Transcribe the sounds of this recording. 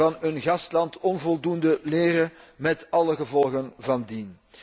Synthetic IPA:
ɑnənɣɑstlɑntɔnvɔlˠdundəleːrəmɛtɑləɣəvɔlˠɣənvɑndin

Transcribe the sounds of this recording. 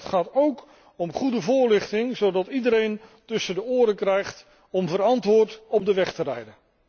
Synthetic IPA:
tχaːtowk | ɔmχudəvʊːɹlɪχtɪŋzowdɑtidəɾejntɵsəndəʊːɾəkrɛjχt | ɔmvəɾɑntʋʊːɹtɔb̚dəʋɛχtərɛjdən

